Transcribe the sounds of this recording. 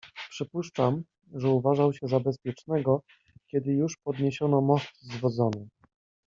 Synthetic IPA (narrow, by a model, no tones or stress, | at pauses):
pʂɘpuʂt͡ʂam | ʐɛuvaʐawɕɛzabɛs̬pʲjɛt͡ʂnɛɡɔ | kʲjɛd̪ɘjuʂpɔd̪ɲeɕɔnɔmɔst̪zvɔd̪zɔnɔ